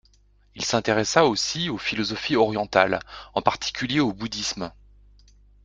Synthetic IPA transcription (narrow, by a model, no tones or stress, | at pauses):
ilsɛ̃t̪eʁɛsaosiofilɔzɔfiɔʁjɑ̃t̪alɑ̃paʁt̪ʰi̥kʲyljeobud̪ism